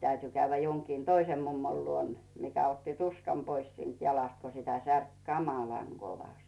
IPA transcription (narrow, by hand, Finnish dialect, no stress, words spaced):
tæyty kæyʋːæ joŋkiːn toisem mumːol luon mikæ otːi tuskɑm pois siːnt jɑlɑst ko sitæ særk kɑmɑlɑŋ ɡ̊oʋɑst̆